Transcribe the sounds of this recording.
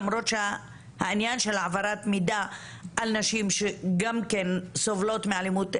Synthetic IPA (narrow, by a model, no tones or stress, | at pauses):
mɾo̞t̪ʃe | hainjanʃelʕavaɾat̪mida | alnaʃimʃeɡamkensovlo̞t̪meʕalimut̪